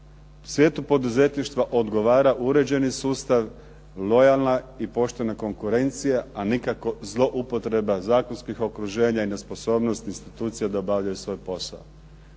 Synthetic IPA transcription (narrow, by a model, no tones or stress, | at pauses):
u̥sʋje̞ːt̪upo̞d̪uze̞t̪niʃt̪ʋaʔo̞d̪ɡo̞ʋaːɾaʔuɾe̞d͡ʑe̞nisuːst̪aʋ | lˠo̞jalˠnaipo̞ʃt̪e̞nako̞ŋkuɾe̞nt̪sijaanikako̞zlˠo̞ʔupo̞t̪ɾe̞bazaːkonskixo̞kɾuʒe̞ːɲaine̞spo̞so̞ːbnost̪inst̪it̪uːt̪sijad̪aobaʋʎajusʋo̞ːjpo̞sa̰o